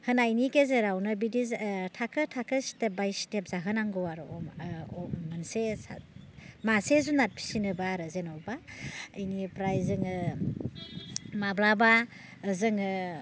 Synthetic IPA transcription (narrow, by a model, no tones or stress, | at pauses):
hɯnajnikezeɾawnɯbidiztʰakʰɯtʰakʰɯstep̚bajstep̚zaɦɯnaŋɡɯwaɾ | ɔmansesamasezunat̚pʰi̥sinɯbaɾɯzenɔwbaəjnipɾajzɯŋɯ | mablaba | zɯŋɯ